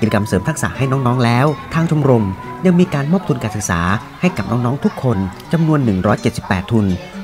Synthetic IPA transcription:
i˨˩t͡ɕa˧ka˧msɤː˩˦mt̪ʰa˦˥k̚sa̰˨˩ha˥˩jnɔː˦˥ŋnɔː˦˥ŋlɛː˦˥wt̪ʰaː˧ŋt͡ɕʰo˧mɾo˧mja˧ŋmiː˧kaː˧nmɔː˥˩p̚t̪u˧nkaː˧nsɯ˨˩k̚sa̰ː˩˦ | ha˥˩jka˨˩p̚nɔː˦˥ŋnɔː˦˥ŋt̪ʰu˦˥kʰːo˧nt͡ɕa˧mnu˧ənːɯ˨˩ŋɾɔː˦˥jt͡ɕt̪̚si˨˩pːɛː˨˩t̪ʰːu˧n

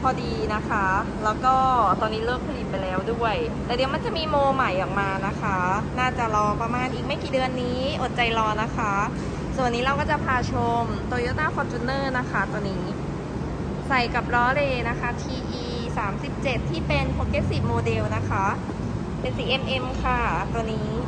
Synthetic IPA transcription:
pʰɔː˧diː˧na˦˥kʰa˦˥lɛː˦˥wkɔː˥˩t̪ɔː˧nːiː˦˥lɤː˥˩k̚pʰa˧li˨˩mpa˧jlɛː˦˥wdu˥˩əjt̪ɛː˨˩di˨˧əma˧nt͡ɕa˨˩miː˧moː˧ma˨˩˦jʔɔː˨˩k̚maː˧na˦˥kʰa˦˥naː˥˩t͡ɕa˨˩lɔː˧pɾa˧maː˧nʔiː˨˩k̚ma˥˩jkiː˨˩dɯ˧ənːiː˦˥ʔo˨˩t̪̚t͡ɕa˧jlɔː˧na˦˥kʰa˦˥ | su˨˩ənːiː˦˥ɾa˧wkɔː˥˩t͡ɕa˨˩pʰaː˧t͡ɕʰo˧mt̪u˧əjoː˦˥t̪̚naː˥˩fʰɔː˧t͡ɕ̪ʰuː˧˥˦nːɤː˥˩na˦˥kʰa˦˥˩t̪ɔː˧nːiː˦˥ | sa˨˩jka˨˩p̚ɾɔː˦˥leː˧na˦˥kʰa˦˥t̪ʰiː˧ʔiː˧ | saː˩˦msi˨˩p̚t͡ɕe˨˩t̪ʰːiː˥˩pe˧npʰo˧keː˦˥si˨˩p̚moː˧de˧wna˦˥kʰa˦˥ | pe˧nsi˨˩ʔe˧mʔe˧mkʰa˧˥˩t̪u˧əniː˦˥

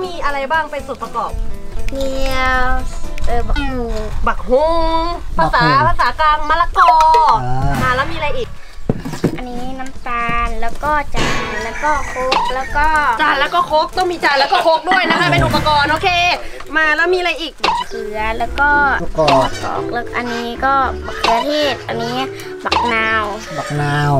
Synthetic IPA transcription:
miː˧ʔa˧ɾa˧jbaː˥˩ŋpe˧nso˨˩t̪̚pa˧kɔː˨˩p̚ŋi˧wʔɤː˨˩ba˨˩k̚u˨˩ba˨˩k̚ho˧˦ŋpʰaː˧saː˨˦pʰaː˧saː˩˦kaː˧ŋmaː˧la˧˥kɔɔː˧˩ | naː˧˩lɛː˦˥wmiː˧a˧jʔiː˨˩k̚ | ʔa˧nːiː˦˥na˦˥mt̪aː˧nlɛː˦˥wkɔː˥˩t͡ɕa˨˩nlɛː˦˥wkɔː˥˩kʰo˦˥k̚lɛː˦˥wkɔː˥˩t͡ɕaː˨˩nlɛː˦˥wkɔː˥˩kʰo˦˥p̚t̪ɔ˥˩ŋmiː˧t͡ɕaː˧˩nlɛː˦˥wkɔː˥˩kʰo˦˥p̚du˧˥˩ɐjna˦˥kʰaː˥˩jpe˧nʔo˨˩pːa˧kɔː˧nʔoː˧kʰeː˧ | maː˧lɛː˦˥wmiː˧la˧jʔiː˨˩k̚ba˨˩klɯ˨˩˦ɐlɛː˦˥wkɔː˥˩ɔː˨˩kɔ̰ː˨˩k̚le˦˧˥k̚ʔa̰˧nːiː˦˥kɔː˥˩ba˨˩kʰːɯ˧ɐ˧t̪ʰeː˥˩t̪̚ʔa˧nːiː˦˥ | ba˨˩k̚naː˧w | ba˨˩k̚naː˧w

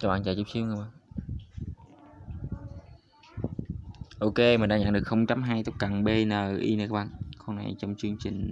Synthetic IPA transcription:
kaː˦˥ɓa̰ː˧˨nt͡ɕaː˧˩t͡ɕu˦˥p̚si˧˦wŋka˧˦˥ɓaː˧˨n | ʔo˧ke˧mï̟˨˩ɗaː˧ɲa̰˧˥ŋɗəkxə˧wŋ͡mt͡ɕa˧mɦaː˧jt̪k͡p̚ka˨˩ŋɓe˧nəː˨˩ʔi˧nː˨˧˩kaː˦˥ɓa̰ː˧˨nko˧wna̰˨˩jt͡ɕɔ˧wŋ͡mt͡ɕɨ˧əŋt͡ɕï˨˩ŋ̟

